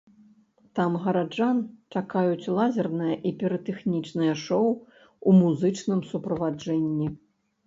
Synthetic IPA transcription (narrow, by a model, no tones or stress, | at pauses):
t̪amɣɐɾad͡ʐant͡ʂakajut͡sʲlˠazʲɛrnɨjɐʔipʲɛɾɐt̪ɛxnʲit͡ʂnɨjɐʂɔw | umuzɨt͡ʂnɨmsupɾɐvad͡ʐɛnʲːi